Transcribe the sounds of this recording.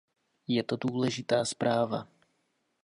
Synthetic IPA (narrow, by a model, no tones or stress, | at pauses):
jɛt̪o̞duːlɛʒɪt̪aːspɾʔaːva